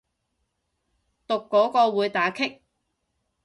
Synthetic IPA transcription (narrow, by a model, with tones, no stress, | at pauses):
t̪ʊ˨kːɔː˨˥kɔː˧wuː˨˧jt̪aː˨˥kʰɪ˥k̚